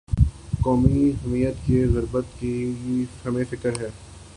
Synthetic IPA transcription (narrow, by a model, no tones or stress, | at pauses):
kɔːmiɦɛmiːət̪keɣʊɾbət̪kifɐmẽfɪkəɾɦɛː